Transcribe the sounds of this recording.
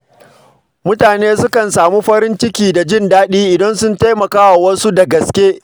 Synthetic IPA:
mʊ˦taː˨neː˦sʊ˦kɐ˨nsaː˨muː˦ɸɐ˦ɾɪ˦nt͡ʃɪ˦kʲiː˨da˨d͡ʒɪ˦ndaː˦ɗiː˦ʔɪ˨dɐ˦nsʊ˦nta˦jmɐ˨kaː˦wa˨wɐ˦su˦da˨ɡɐ˨skʲeː˦

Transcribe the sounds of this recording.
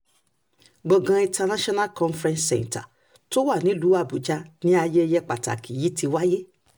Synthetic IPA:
ɡ͡bɔ˨ɡã˧ĩ˧tʰa˧nã˦ʃɔ˦na˦lkɔ̃˧nfɾɛ̃˧nssɛ̰̃˨nta̰˨ | to˦wa˦˨nĩ˨˦lu˨˦a˦˨bu˨d͡ʒa˧˦nĩ˦a˧je˦˧jɛ˦k͡pa̰˨ta̰˨ki˨ji˨˦tʰi˧wa˦je˦

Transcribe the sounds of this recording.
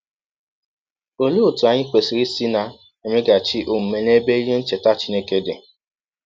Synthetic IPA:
o˦lo˦˨tu˨a˨ɲɪ˦k͡pe˨si˨ɾi˦si˦na˨ | e˨me˦ɡa˨t͡ʃi˦ʔo˨m̩˨me˨n˦e˦be˦i˦ɦe˦n̩˦t͡ʃe˨ta˦t͡ʃi˦ne˦ke˦de˨

